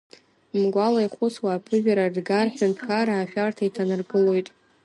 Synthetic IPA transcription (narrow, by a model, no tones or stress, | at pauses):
mɡʷalajχʷʊt͡swaːpʰɨʒᶣaɾadɡarħᶣantʰkʰaɾaːʃᶣartʰaitʰanɨrɡɨlo̞jtʼ